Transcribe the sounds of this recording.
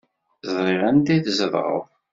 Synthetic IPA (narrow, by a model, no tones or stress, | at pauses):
zˤɾˤɪʁænd̪iθzəðˤʁˤə̰v